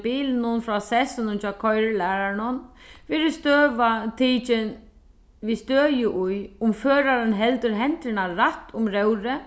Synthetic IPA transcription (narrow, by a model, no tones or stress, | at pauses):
biːlnʊnfɾɔsɛsɪnʊnt͡ʃʰaːkʰɔjɾlæːɾaɳʊnfɪɾɪst̪øːʋat̪ʰiːt͡ʃɪn | vist̪øːjɪʔʊjʊmføːɾaɾɪnɦɛlt̪ʏɾɦɛnt̪ɾɪnaːaht̪ʊmɾɛwɾɪ